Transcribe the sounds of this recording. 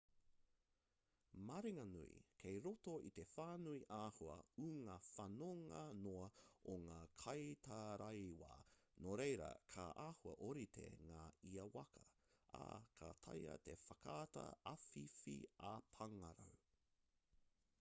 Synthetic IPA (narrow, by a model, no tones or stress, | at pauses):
maɾiŋɐnuḭkʰejɾotoit̪e̞faːnuiʔaːhuɐ̰uŋafɐnoŋɐnoɐoŋaːkʰɐjt̪ʰaɾɐjwa̰ːnoɾejɾɐ̰kʰaʔaːhuɐ̰ʔoɾit̪ʰḛŋaːiɐwɐkʰɐa̰kʰat̪ʰɐjɐ̰t̪e̞fɐkʰaːtɐ̰ɐfifḭapʰɐŋɐɾɐw